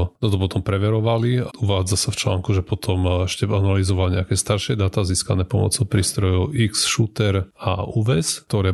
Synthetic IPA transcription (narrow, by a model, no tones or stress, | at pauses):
nɔt̪ɔp̬ɔt̪ɔmpɾɛʋɛɾɔʋaliuʋaːd͡zasaft͡ʃla̰ːŋkuʒɛpɔt̪ʰɔmɛʃcɛanalizɔʋalɲɛakɛːst̪aɾʃɪɛd̪at̪aːziːskanɛːpɔmɔ̰t͡sɔʊpɾiːst̪ɾɔjɔʊiksʃut̪ɛɾa̰uːʋɛst̪ɔɾɛː